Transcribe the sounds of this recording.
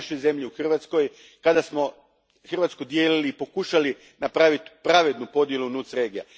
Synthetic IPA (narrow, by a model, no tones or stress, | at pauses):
ʃo̞jze̞mʎiuxr̩ʋat̪sko̞j | kad̪asmo̞ | xr̩ʋat̪skud̪je̞ːliliːpo̞kuʃali | napɾaʋit̪pɾaʋe̞d̪nupo̞d̪je̞lunuːt̪sɾe̞ːɡija̰